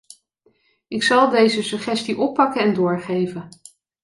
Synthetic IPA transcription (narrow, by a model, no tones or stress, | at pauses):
ɪksɑlˠdejzəsɵχɛstiʔɔpːɑkəɛndʊːɹχejvən